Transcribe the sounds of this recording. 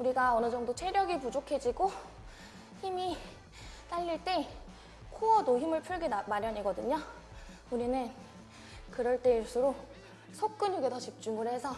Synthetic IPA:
uɾiɡaʌnɯd͡ʑʌŋdot͡ɕʰeɾjʌɡipud͡ʑokʰe̞d͡ʑiɡo | çimi | t͈aʎːiɭt͈e̞ | kʰoʌdoçimɯɭpʰuɭɡemaɾjʌɲiɡʌdɯɲo | uɾinɯn | kɯɾʌɭt͈e̞iɭs͈uɾo | sʰok̚k͈ɯɲuɡe̞tʌt͡ɕip̚t͡ɕ͈uŋɡɯɾe̞sʰʌ

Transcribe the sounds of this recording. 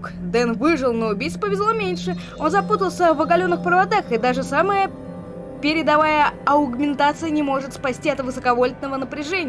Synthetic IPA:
kd̪ɛnvɨʐɨlˠnəʊbʲijtspəvʲɪzlˠomʲenʲʂɨ | o̞nzɐput̪əlˠsʲəvɐɡɐlʲonːɨxpɾəvɐd̪axɨd̪aʐɨsaməjə | pʲɪɾʲɪd̪ɐvajəɐʊɡmʲɪnt̪at̪sɨjənʲɪmo̞ʐɨt̪spɐsʲtʲiɐt̪vɨsəkɐvo̞lʲɪt̪nəvənəpɾʲɪʐɛnʲɪ

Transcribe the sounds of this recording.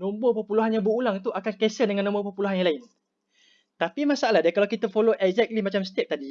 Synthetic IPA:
nõmbopəpuluɦanjãŋbəulaŋt̪uakankesədəŋãnːõmbəpəpuluɦanjãŋlaɪn | t̪apimasaalahdakalawkit̪əfoloʔɛɡzɛk̚t̪limat͡ʃamsə̥t̪ep̚t̪adi

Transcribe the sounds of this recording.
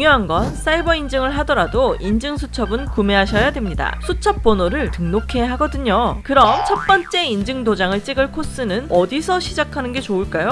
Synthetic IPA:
ŋjʌɦanɡʌns͈aibʌind͡ʑɯŋɯɭɦadʌɾadoind͡ʑɯŋsʰut͡ɕʰʌbɯnkume̞ɦaɕʰʌjadwe̞mɲida̰sʰut͡ɕʰʌp̚p͈onoɾɯɭtɯŋnokʰe̞jaɦaɡʌdɯɲokɯɾʌmt͡ɕʰʌp͈ʌnt͡ɕ͈e̞ind͡ʑɯŋdod͡ʑaŋɯɭt͡ɕ͈iɡɯɭkʰos͈ɯnɯnʌdisʰʌɕʰid͡ʑakʰanɯnɡe̞t͡ɕouɭk͈ajo

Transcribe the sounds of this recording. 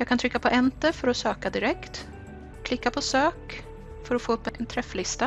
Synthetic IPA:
jɑːɡkʰant̪ʰɾʏkːapʰɔʔɛnt̪əfœɾɔsøːkad̪ɪɾɛkt̪ | kʰlɪkːapʰɔsøːk | fœɾɔfoːɵpːɛnt̪ʰɾɛflɪst̪a

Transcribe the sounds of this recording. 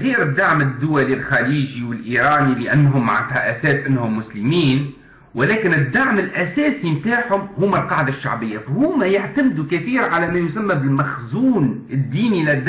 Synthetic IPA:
ɣiːɾɪd̪ːaʕmɪd̪ːʊwælilxaliːʒiwɪlʔiːɾɑːnilɪʔænːɦʊmːʕat̪hæʔæsæːsʔɪnːhʊmːʊslɪmiːn | wʔɪlæːkɪnɪd̪ːaʕmɪlʔæsæːsimt̪aːʕhʊmhʊːmælqɑʕd̪aʃːa̰ʕbɪjːafhʊːmæjaʕt̪amd̪ukɪθiːɾʕalæmæjʊsamːæbɪlmaxzuːnɪd̪ːiːnilɪd̪ː

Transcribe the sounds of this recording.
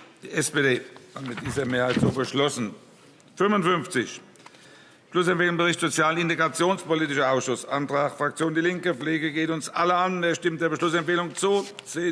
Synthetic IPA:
d̥iːɛspeːdeːatmɪt̚d̥iːzɐmeːɐhaɪtz̥oːbəʃlɔsn̩ | fʏmʊntfʏnft͡sɪç | ʃlʊsɛmfeːlʊŋbəʁɪçtz̥ot͡sjaːlɪnteɡʁat͡sjoːnspoliːtɪʃɐaʊsʃʊsantʁaxfʁ̥ak̚t͡sjoːndiːlɪŋkəp͡fleːɡəɡeːtʊnsʔaləandeːɐʃtɪmt̚d̥eːɐbəʃlʊsɛmfeːlʊŋt͡suːzeː

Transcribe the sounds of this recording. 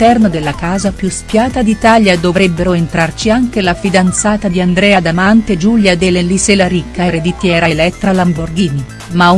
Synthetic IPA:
ɛrnod̪elːakaːzapjuspjaːt̪ad̪it̪aljad̪ovɾɛbːeɾoent̪ɾart͡ʃiaŋk̟elafid̪ant̪saːt̪ad̪iand̪ɾɛːad̪amant̪ed͡ʒuljad̪eleliselaɾikːaeɾed̪it̪jɛːɾaelɛt̪ːɾalamborɡin | mau

